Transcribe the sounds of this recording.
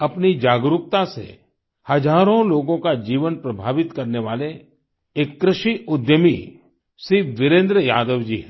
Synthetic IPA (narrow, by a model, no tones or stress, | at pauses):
ɐpnid͡ʒaːɡɾʊk̚t̪asḛ | hɐd͡ʒaːɾõloːɡõkad͡ʒiːʋənpɾɐbʱaːʋɪt̪kɐɾneʋaːle | eːkːɾɪʃiʔʊd̪jəmḭ | siːʋɪɾẽːnd̪ɾəjaːd̪əʋd͡ʒḭːɦɛ